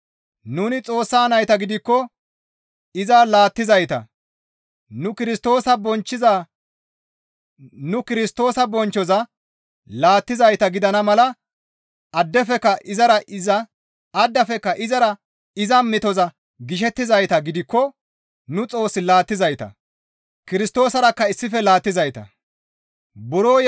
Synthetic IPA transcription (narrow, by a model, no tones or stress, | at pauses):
nuːnɪt͡sʼo̞ːsːaːnɐjt̪ɐɡɪd̪ɪkːɔ | ɪzaːlaːt̪ːɪzɐjt̪ɐ̰ | nʊkɪɾɪst̪o̞ːsɐbɔnt͡ʃːɪzaː | nʊkɪɾɪst̪o̞ːsɐbɔnt͡ʃːɔzɐ | laːt̪ːɪzɐjt̪ɐɡɪd̪ɐnɐmɐlɐ | ɐd̪ːɛfɛkːɐʔɪzɐɾɐʔɪzɐː | d̪ːɐfɛkːɐʔɪzɐɾɐ | ɪzɐmːɪt̪ɔzɐ | ɡɪʃ̬ɛt̪ːɪzɐjt̪ɐɡɪd̪ɪkːɔ | nʊt͡sʼo̞ːsːɪlaːt̪ːɪzɐjt̪ɐ̰ | kɪɾɪst̪o̞ːsɐɾɐkːɐɪsːɪfɛlaːt̪ːɪzɐjt̪ɐ̰ | bʊɾoː